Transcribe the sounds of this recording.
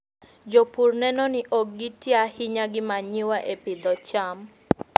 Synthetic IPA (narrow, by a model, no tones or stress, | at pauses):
d͡ʒɔpurnɛnɔnɪʔɔɡitiahɪɲaɡɪmaɲɪwaʔepɪd̪ɔt͡ʃam